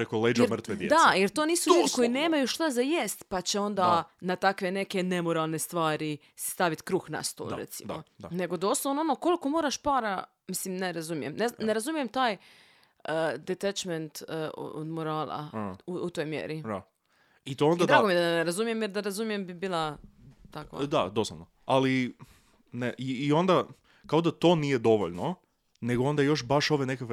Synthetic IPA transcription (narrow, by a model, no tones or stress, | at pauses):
pɾekoled͡ʒjeɾmr̩t̪ʋed̪jḛd̪ajeɾt̪oniːsuʎuːd̪iko̞jine̞ːmajuʃt̪azajest̪pat͡ɕe̞o̞nd̪anat̪akʋe̞ne̞ke̞ne̞moɾalˠne̞st̪ʋaːɾi | sst̪aʋit̪kɾuːxna̰st̪o̰lˠɾḛt̪simdoane̞ɡo̞d̪o̞slˠonoonoko̞liko̞moːɾaʃpaːɾa | mislimneɾazumijemneneɾazumijemt̪aːj | əd̪et̪ɛt͡ʃment̪o̰d̪moɾaːlˠa̰uut̪ojmjḛɾia | it̪oond̪ad̪ɾaːɡomjed̪aneɾazumijemjeɾd̪aɾazumijembibiːlˠat̪akʋa̰d̪ad̪o̞sloʋno | ali | neʔiːo̞nd̪a | kaod̪at̪o̞nijed̪o̞ʋo̰ʎno | ne̞ɡoo̞nd̪ajo̞ʃbaʃo̞ʋenekakʋ